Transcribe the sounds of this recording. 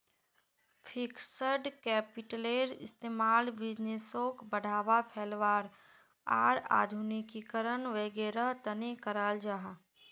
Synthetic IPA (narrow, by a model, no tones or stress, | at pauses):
fʰɪksəɾɖkɛːpɪʈəleːɾɪ̰st̪eːmaːlbɪd͡ʒnesoːkbəɽʱaːʋapʰeːlʋaːɾ | a̰ːɾa̰ːd̪ʱunikːikəɾənʋeːɡeːɾəɦt̪ənekəɾaːld͡ʒaːɦa